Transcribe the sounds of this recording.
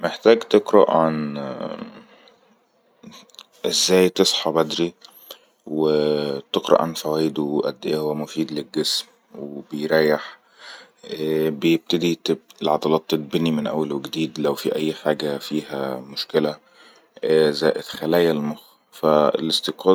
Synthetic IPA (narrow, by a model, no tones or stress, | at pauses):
meħt̪æːɡt̪eqɾɑ̰ʔʕan | ʔezːæːjt̪esˤħɑbæd̪ɾi | wet̪eqɾˤɑ̰ʔʕanfæwæːjd̪uʔæ̰d̪ːeʔæhowːæmʊfiːd̪lelɡːesm | webejɾæːjeħ | bejeb̚t̪æd̪it̪blʕɑd̪ˤɑlɑːt̪ːet̪̚benːimɪnʔæ̰wːælweɡd̪iːd̪læwfiʔæjːħaːɡæfiːhæ̰mʊʃkɪlæ | zæːʔed̪xælæːjælmox | fæḛlʔest̪eqɑː